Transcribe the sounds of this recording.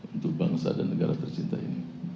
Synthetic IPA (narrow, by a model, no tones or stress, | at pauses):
unt̪ʊk̚baŋsa̰danːəɡaɾat̪ərt͡ʃint̪aḭni